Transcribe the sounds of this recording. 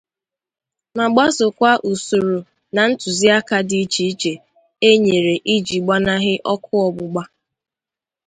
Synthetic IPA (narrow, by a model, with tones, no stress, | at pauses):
ma˨ɡ͡ba˦sʊ˨kʷa˦ʔu˨su˨ɾu˨ | na˨n̩˦tʊ˨zi˦a˦ka˦di˦t͡ʃi˨i˦t͡ʃe˨ | e˦ɲe˨ɾe˨ʔi˦d͡ʒi˨ɡ͡ba˦na˦ɦɪ˦ʔɔ˦kʰʊ˦ɔ˨bʊ˨ɡ͡ba˦